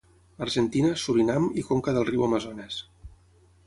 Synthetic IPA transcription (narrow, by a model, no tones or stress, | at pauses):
əɾʒənt̪inəsuɾinamikoŋkəðəlˠriwəməzonɛs